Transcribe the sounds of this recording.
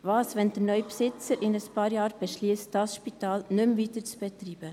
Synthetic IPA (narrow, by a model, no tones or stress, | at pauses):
vɑːsvɛnd̥ənœʏpsɪt͡səɾʔɪnəspɑːɾjɑːɾb̥ɛʃliːstd̥ɑsʃpitɑːlnʏmviːtəɾt͡sb̥ɛt̪ɾiːb̥ə